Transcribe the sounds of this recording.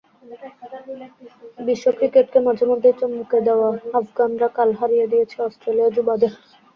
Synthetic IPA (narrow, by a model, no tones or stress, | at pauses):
biʃːokɾikeʈkemad͡ʑʱeɾmod̪ʱːejt͡ɕommuked̪eoaafɡanɾakalɦaɾijed̪ijet͡ɕʰeɔsʈɾelijad͡ʑubad̪eʃ